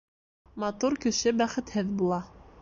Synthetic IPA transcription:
mɑt̪uɾkɘ̆ʃɘbæχɘ̆t̪hɘðbulˠɑ

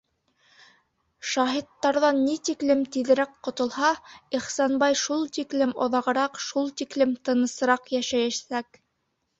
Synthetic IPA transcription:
ʃɑɦit̪ːɑɾðɑnːit̪iklɘmt̪iðɘ̆ɾækqŏt̪ŏlˠhɑiχsɑnbɑjʃulˠt̪iklɘmŏ̰ðɑʁɤ̆ɾɑqʃulˠt̪iklɘmt̪ɤ̆nɤ̆sɤ̆ɾɑqjæʃæjæʃsæk

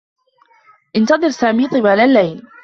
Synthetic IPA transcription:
ʔɪnt̪ɑðˤɨɾsaːmiːt̪ˤɨbaːlalːajl

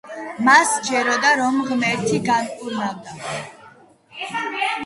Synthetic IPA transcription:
masd͡ʒɛɾɔd̪aɾɔmʁmɛɾt̪ʰiɡankʼuɾnavd̪a

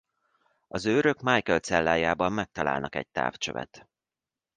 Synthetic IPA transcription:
ɒzøːɾøkmaːjkɛlt̪sɛlːaːjaːbɒmːɛk̚t̪ɒla̰ːlnɒkɛ̰c̚t̪a̰ːft͡ʃøvɛ̰t̪

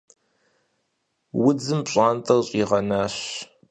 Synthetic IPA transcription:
wʊd͡zɨmpɕʼaːntʰʼɐrɕʼiʁɐnaːɕ

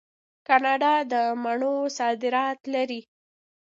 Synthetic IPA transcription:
kɑnɑɖɑd̪əmaɳosɑd̪ɪɾɑt̪laɾi

